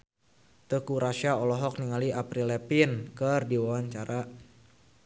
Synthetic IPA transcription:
t̪əkuɾaʃaɔlɔɦɔk̚niŋaliʔapɾilɛpinkərdiwawaɲt͡ʃaɾʔa

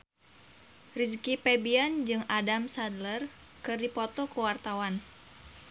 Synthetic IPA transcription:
riskipɛbiand͡ʒɨŋadamsad̪lər | kɨrdipɔt̪ɔkuwart̪awan

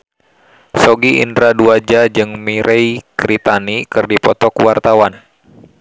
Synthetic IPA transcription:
sɔɡiʔḭndɾaduad͡ʒad͡ʒɨŋmiɾʔɛjkɾit̪anikɨrdipɔt̪ɔkuwart̪awan

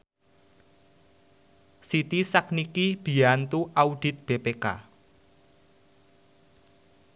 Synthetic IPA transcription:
sit̪isak̚nikib̥i̤ant̪uʔaud̥i̤t̪̚b̥epeka̰

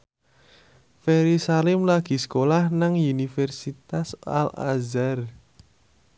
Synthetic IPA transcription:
feɾisalɪmlaɡ̥i̤skolahnaŋunifɛrsit̪asa̰la̰zar

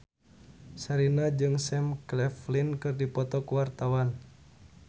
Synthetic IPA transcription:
saɾinad͡ʒɨŋsɛmklɛflinkɨrdipɔt̪ɔkuwart̪awan

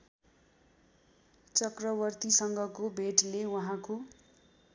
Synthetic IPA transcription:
t͡sʌkrʌβʌrt̪isʌŋɡʱʌkobʱeʈlewuɦãko

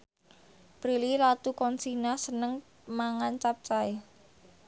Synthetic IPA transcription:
pɾililat̪ukɔnsinasənəŋ | maŋant͡ʃap̚t͡ʃae

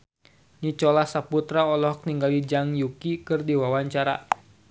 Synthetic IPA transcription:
ɲit͡ʃɔlahsaput̪ɾaɔlɔɦɔk̚niŋɡalid͡ʒaŋjukikɨrdiwawaɲt͡ʃaɾa̰

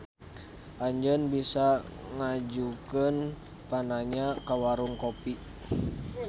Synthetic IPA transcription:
ʔaɲd͡ʒənbisaŋad͡ʒukən | panaɲakawaɾuŋkopi

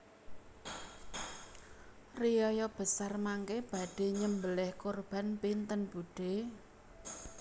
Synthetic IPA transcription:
rijɔjɔb̥ə̤sarmaŋkeb̥a̤ɖ̥e̤ɲəmbəlɛhkorb̥a̤npint̪ənb̥uɖ̥e

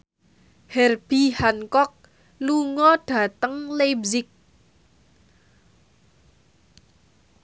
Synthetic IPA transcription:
hɛrb̥ihankɔk̚ | luŋɔɖ̥a̤t̪əŋlebzɪk̚

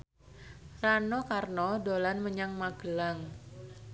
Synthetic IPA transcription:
ranokarnɔdolanməɲaŋmaɡ̥əlaŋ

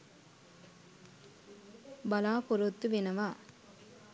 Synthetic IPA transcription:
bɐlaːpʊɾɯt̪ːɯʋɪnɐʋaː

